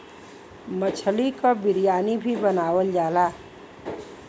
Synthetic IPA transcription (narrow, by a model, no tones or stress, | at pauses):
mət͡ʃʰəlikobɪɾjaːnibʱibənaːwəld͡ʒaːla